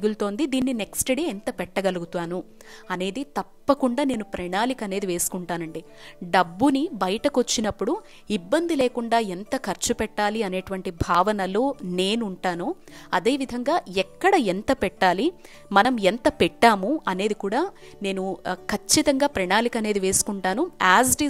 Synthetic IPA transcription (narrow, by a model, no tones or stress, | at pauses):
ɡult̪o̞ːnd̪id̪iːnːine̞ksʈeɽeent̪ɐpɛʈːɐɡɐluɡut̪aːnu | ɐne̞ːd̪it̪ɐpːɐkuɳɖaːne̞ːnupɾɐɳaːlikɐne̞ːd̪iʋe̞ːsu̥kuɳʈaːnɐɳɖi | ɖɐbːunibɐjɐʈɐkot͡ʃːinɐpːuɽu | ibːɐnd̪ʱileːkuɳɖaːent̪ɐkʰɐɾt͡ʃupɛʈːaːliɐne̞ːʈuʋɐɳʈibʱaːʋɐnɐlo̞ːne̞ːnuɳʈaːnu | ɐd̪e̞ːʋid̪ʱɐŋɡaːɛkːɐɽɐent̪ɐpɛʈːaːli | mɐnɐment̪ɐpɛʈːaːmuɐne̞ːd̪ikuːɽaː | ne̞ːnukʰɐt͡ʃːit̪ɐŋɡaːpɾɐɳaːlikɐne̞ːd̪iʋe̞ːsu̥kuɳʈaːnuaːsɖi